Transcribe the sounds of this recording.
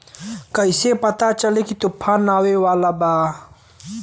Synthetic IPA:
kajsepat̪at͡ʃalikit̪upʰanːawewalaba

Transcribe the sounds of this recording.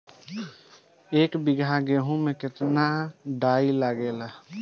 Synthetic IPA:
eːkbɪɡʱãɡeɦũmẽkɪt̪naɖaːilaɡeːla

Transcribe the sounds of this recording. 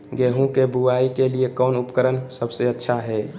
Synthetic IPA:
ɡeɦũkebuaikeliekɔʊnupkəɾənsəbseətːʃʰaɦɛ

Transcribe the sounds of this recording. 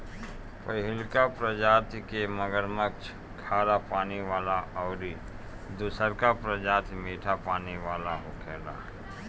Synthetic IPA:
pəɦɪlkapɾəd͡ʒaːt̪ʰkeməɡəɾməkt͡ʃʰ | kʰaːɾapaːniʋaːlaʔɔːʊɾi | d̪ʊsəɾkapɾəd͡ʒaːt̪ʰmeːʈʰapaːniʋaːlaɦokʰɛːla̰ː

